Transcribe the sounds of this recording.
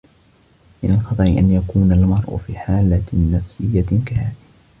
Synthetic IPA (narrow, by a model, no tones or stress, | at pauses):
mɪnalxɑt̪ˤɑʔɪʔa̰njakuːnalmɑɾˤʔʊ̰fiːħaːlːanafsɪjːakahaːʔ